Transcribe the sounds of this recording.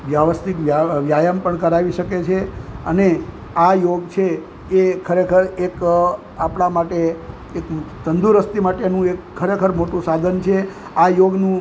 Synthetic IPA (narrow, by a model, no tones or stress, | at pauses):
ʋjaʋəst̪ikʋjaʋjajəmpəɳkəɾaʋiʃəket͡ʃʰeəne | ajoɡt͡ʃʰe | ekʰəɾekʰəɾek | apɳamaʈeː | kt̪ənd̪ʱuɾəst̪imaʈenũekʰːəɾekʰəɾmoʈũsad̪ʱənt͡ʃʰe | ajoɡnũ